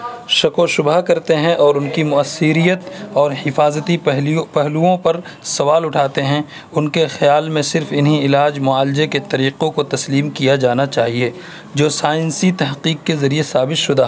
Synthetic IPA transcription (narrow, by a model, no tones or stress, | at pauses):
ʃɐkõʃʊbakɐɾt̪eɦɛ̃ʔɔːɾʊnkimʊɐsːɪɾijət̪ɔːɾhɪfaːzət̪iɦpɛɦluõpɐɾ | sɐʋaːlʊʈʰaːt̪eɦɛ̃ | ʊnkexjaːlmẽsɪɾfɪnɦiɪlaːd͡ʒmʊaːlɪd͡ʒeket̪ɐɾiːqõkot̪ɐsliːmkijad͡ʒaːnat͡ʃaːɦie | d͡ʒoːsaːjɪnsit̪ɐɦqiːqkːezɐɾiesaːbɪt̪ʃʊd̪aːɦ